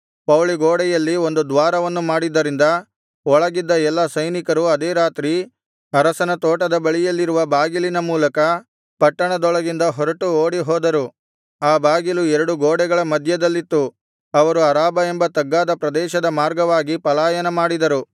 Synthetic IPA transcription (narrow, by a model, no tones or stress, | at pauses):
pɐwliɡoːɽɛjɐlːio̞nd̪ud̪ʋaːɾɐʋɐnːumaːɽid̪ːɐɾind̪ɐ | ɔɭɐɡid̪ːɐɛlːɐsɐjnikɐɾuɐd̪eːɾaːt̪ɾi | ɐɾɐsɐnɐt̪oːʈɐd̪ɐbɐɭijɐlːiɾuʋɐbaːɡilinɐmuːlɐkɐ | pɐʈːɐɳɐd̪ɔɭɐɡind̪ɐɦɔɾɐʈuoːɽiɦɔːd̪ɐɾu | aːbaːɡiluɛɾɐɽuɡoːɽɛɡɐɭɐmɐd̪ʱjɐd̪ɐlːit̪ːu | ɐʋɐɾuɐɾaːbɐembɐt̪ɐɡːaːd̪ɐpɾɐd̪ɛːʃɐd̪ɐmaːɾɡɐʋaːɡipɐlaːjɐnɐmaːɽid̪ɐɾu